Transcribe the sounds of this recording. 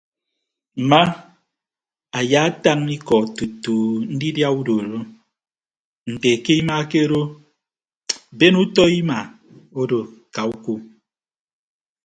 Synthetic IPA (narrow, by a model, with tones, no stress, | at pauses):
m̩˨ma˦ | a˨ja˦ta˦ŋni˦kɔ˨tu˨tu˨n̩˦di˦dja˦u˦do˨ɾo˦ | n̩˨te˨ke˦i˦ma˦ke˦ɾo˦ | be˦nu˦tɔ˦i˦ma˨ | o˦do˨ka˨u˦ku˦